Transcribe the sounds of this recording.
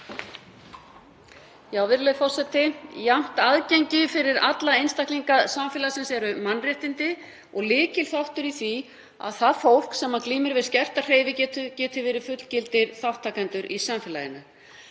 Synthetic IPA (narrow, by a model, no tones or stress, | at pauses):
jaːwvɪɾlɛðfɔr̥sɛt̪ɪjam̥t̪aðcejɲcɪfɪɾɪɾat̪laejnst̪akliŋkaðsamfɪːlasɛmsjɛɾʏmanːrjɛht̪ɪnt̪ɪ | ɔɣlɪːcɪl̥θawht̪ʏɾiθvi | a̰ðθaðfowl̥ksɛmːakliːmɪɾvɪðscɛr̥t̪ar̥eːjvɪcɛt̪ʏcɛːt̪ʏvɪːɾɪ̥fʏt̪l̥cɪlt̪ɪɾθawht̪ʰːaːkɛnt̪ʏɾʔḭsamfɪːlajɪnʏ